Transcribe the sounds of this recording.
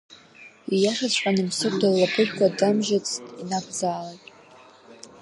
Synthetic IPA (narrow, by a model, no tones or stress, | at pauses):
ijaʂat͡ɕʷʰʼħʼanɨmsɨkʷʰʼdalːapʰɨrkʷadamʒat͡sʰtʼinakʰʷd͡zaːlatʼ